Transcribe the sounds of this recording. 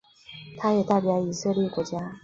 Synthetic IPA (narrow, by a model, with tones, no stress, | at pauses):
tʰa˦e˨ta˦bja˧i˨sʰɯ˦ɾi˦ko˨d͡ʑa˦